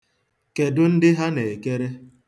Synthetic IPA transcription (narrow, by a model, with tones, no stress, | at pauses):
ke˨dʊ˦n̩˦dɪ˦ɦa˦ne˨e˨ke˦ɾe˦